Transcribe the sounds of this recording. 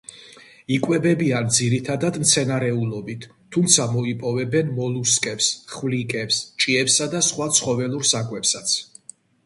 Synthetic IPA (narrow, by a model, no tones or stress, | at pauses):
ikʼwɛbɛbiand̪ziɾit̪ʰad̪ad̪mt̪sʰɛnaɾɛulˠɔbit̪ʰːumt̪sʰamɔipʼɔvɛbɛnmɔlˠuskʼɛpsχvlikʼɛpst͡ʃʼiɛpsad̪asχwat̪sʰχɔvɛlˠuɾsakʼwɛpsat̪sʰ